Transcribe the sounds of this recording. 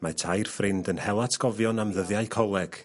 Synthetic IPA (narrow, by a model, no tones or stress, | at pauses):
matʰajrfrɪndənhɛlˠatʰɡ̥ɔvjɔnamðəðjaɨkʰɔlˠɛɡ̥